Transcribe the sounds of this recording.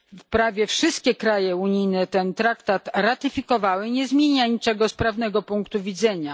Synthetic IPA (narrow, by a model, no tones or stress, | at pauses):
fpɾavʲjɛfʂɘst̪̚kʲɛkɾajɛuɲijnɛt̪ɛnt̪ɾakt̪at̪ɾat̪ɘfʲikɔvawɘɲɛzmʲjeɲaɲit͡ʂɛɡɔspɾavnɛɡɔpuŋkt̪uvʲid̪zɛɲa